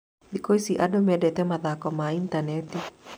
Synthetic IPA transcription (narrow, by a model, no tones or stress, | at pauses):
ðikɔisiʔadomɛdɛtɛmaðakɔmaintanɛti